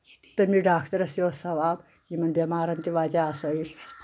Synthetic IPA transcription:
t̪ɐmiːɖaːkʰt̪ɐɾɐsjosɐʋaːb | jimɐnbʲemaːɾɐnt̪iʋaːd͡ʒaasɐi

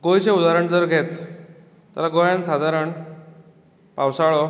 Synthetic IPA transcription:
ɡojt͡ɕeud̪aɾəɳd͡zəɾɡʱet̪ː | a̰laɡojãnsad̪ʱaɾəɳ | pawsaɭɔ

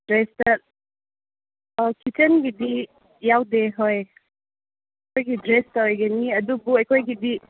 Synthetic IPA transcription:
dɾestə | əkʰit͡ʃənɡidi | jawdeɦɔj | kʰojɡidɾestəojɡeniəd̪ubuejkʰojɡidi

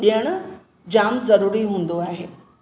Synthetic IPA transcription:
ɓijəɽ̃ʊ | d͡ʑaːmzɐɾuːɾiɦũːnd̪oaːɦḛː

